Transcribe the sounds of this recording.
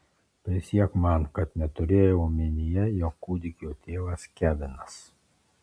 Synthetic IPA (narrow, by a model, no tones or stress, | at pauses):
pʲɪsʲiɛkmɑnkɐt̪nʲɛt̪ʊɾʲeːjoumʲɪnʲɪjɛjoːkkːuːd̪ʲɪkʲoːt̪ʲeːʋɐskʲæːbʲɪnɐs